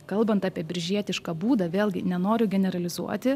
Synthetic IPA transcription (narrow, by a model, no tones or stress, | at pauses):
kɐlˠbɐnt̪ɑːpʲiɛbʲɪɾʲʒʲiɛt̪ʲɪʃkɑːbuːd̪ɐʋʲeːlˠʲɡʲɪnʲɛnoːɾʲʊɡʲɛnʲɛɾɐlʲɪzṵɔt̪ʲɪ